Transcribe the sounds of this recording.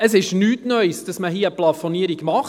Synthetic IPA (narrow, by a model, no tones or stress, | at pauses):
əsɪʃnyːtnœʏsd̥ɑsməɦiːəplɑfoniəɾiɡmɑχ